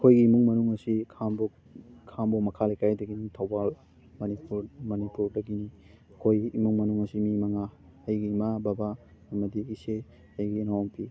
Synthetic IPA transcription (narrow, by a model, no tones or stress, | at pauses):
ɐkʰojɡiːmuŋmɐnuŋɐsikʰambo | kʰambomɐkʰalajkajdɐɡinitʰɐwbal | mɐnipuɾmɐnipuɾdɐɡini | ɐkʰojimuŋmɐnuŋɐsimimɐŋa | hɐjɡiːmababa | ɐmɐdiise | hajɡiːnawaŋpʰi